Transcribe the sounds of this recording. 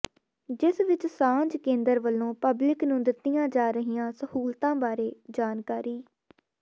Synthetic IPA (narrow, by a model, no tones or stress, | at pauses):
d͡ʒɪsʋɪt͡ʃsãːɲd͡ʒkẽːnd̪əɾʋəlːõːpəblɪknũːd̪ɪt̪ːɪjãːd͡ʒaːɾəɦiːãːsəhuːlt̪ãːbaːɾeːd͡ʒaːnkaːɾiː